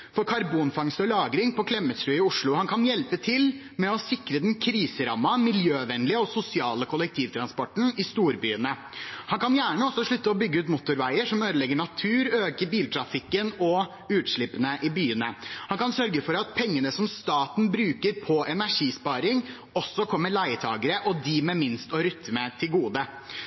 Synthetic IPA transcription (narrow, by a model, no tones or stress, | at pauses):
fɔɾkʰɑɾbuːnfɑŋst̪ɔlɑːɡɾɪŋpɔkʰlɛmːət̪sɾʉːɪʊʂɭʊhɑnkʰɑnjɛlpət̪ʰɪl | mɛɔsɪkɾəd̪ɛnkʰɾiːsəɾɑmːɑmɪljøːʋɛnlɪəɔsʊsɪɑːləkʰʊlɛk̚t̪ʰiːʋt̪ʰɾɑnspɔʈːn̩ɪst̪uːɾbyːənə | hɑnkɑnjæːɳəɔsːɔʂɭʉt̪ːəɔbʏɡːəʉːt̪mʊt̪ːʊɾʋæɪəʂɔmøːd̪əlɛɡːəɳɑt̪ʰʉːɾøːkəɾbiːlt̪ʰɾɑfɪkːənɔ | ʉːt̪ʂɭɪpənəʔɪbyːənəhɑnkɑnsœɾɡəfɔɾɑt̪̚pʰɛŋːənəsɔmst̪ɑːt̪n̩bɾʉːkəɾpʰɔʔɛnæʂiːspɑːɾɪŋ | ɔsːɔkʰɔmːəɭæɪət̪ʰɑːɡəɾəʔɔd̪ɪmɛmɪnst̪ɔɾʏt̪ːmət̪ʰɪlɡuːd̪ə